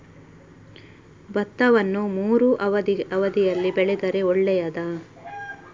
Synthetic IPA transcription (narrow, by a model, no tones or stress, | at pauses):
bɐt̪ːɐʋɐnːumuːɾuʔɐʋɐd̪iɐʋɐd̪ijɐlːibɛɭɛd̪ɐɾe̞ɔɭːɛjɐd̪ɐ